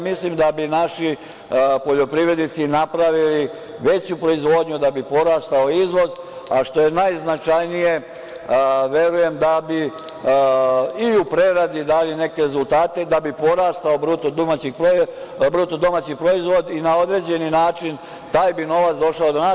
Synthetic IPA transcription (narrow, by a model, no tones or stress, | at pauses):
mislimd̪abinaʃi | po̞ʎo̞pɾiʋɾe̞d̪nit̪sinapɾaʋili | ʋe̞t͡ɕupɾo̞izʋo̞ːd̪ɲud̪abipo̞ɾaːst̪ao̞izʋo̞z | aʃt̪o̞je̞najznat͡ʃajnije̞ | ʋje̞ɾuje̞md̪abi | iupɾe̞ɾad̪id̪aːline̞ke̞ɾe̞zulˠt̪aːt̪e̞d̪abipo̞ɾaːst̪aobɾut̪od̪omat͡ɕipɾo | bɾut̪od̪o̞mat͡ɕipɾo̞izʋo̞d̪inao̞d̪ɾe̞d͡ʑe̞ninaːt͡ʃin | t̪aːjbino̞ʋat̪sd̪o̞ʃaod̪ona